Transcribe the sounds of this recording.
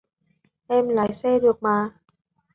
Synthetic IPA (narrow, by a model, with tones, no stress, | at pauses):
ʔɛː˧˩mlaː˨˩˦jseː˥˩du˧˩ək̚maː˧